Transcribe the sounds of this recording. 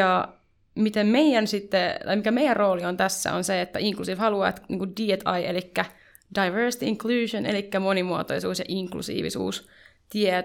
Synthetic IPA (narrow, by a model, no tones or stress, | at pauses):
ɑ | mit̪emmeijænsit̪ːet̪ɑjmikæmeijærrʔo̞ːliont̪æsːæ̰o̰nseet̪ːæʔiŋklusiːʋhɑluɑ̰t̪niːŋkundiːet̪ʰɑjʔelikːæ | d̥ɑjʋersi̥t̪iiŋklyːʃønelikːæmonimuot̪o̰isuːsjɑ̰ʔiŋklṵsḭːʋḭsṵːs | t̪iɛ